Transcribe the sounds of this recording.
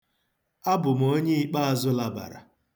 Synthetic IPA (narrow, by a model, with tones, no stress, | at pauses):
a˦bʊ˨m̩˨o˦ɲe˦i˦k͡pa˦a˨zʊ˦la˨ba̰˨ɾa̰˨